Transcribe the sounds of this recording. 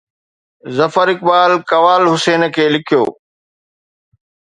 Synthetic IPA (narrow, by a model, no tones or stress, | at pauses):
zɐfəɾɪk̚ɓaːlkɐʋaːlɦʊseːnkʰeːlɪkʰijo̰ː